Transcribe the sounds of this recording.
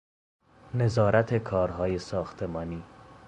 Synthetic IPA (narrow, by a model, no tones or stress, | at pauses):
ne̞zɒːɾæt̪ʰe̞kʰɒːɾɦɒːje̞sɒːxt̪ʰe̞mɒːniː